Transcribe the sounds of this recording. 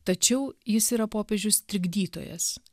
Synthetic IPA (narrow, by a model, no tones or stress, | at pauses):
t̪ɐt͡ʃʲɛʊjɪsiːɾɐpoːpʲeːʒʲʊst̪ʲɾʲɪɡd̪ʲiːt̪o̰ːjɛ̰s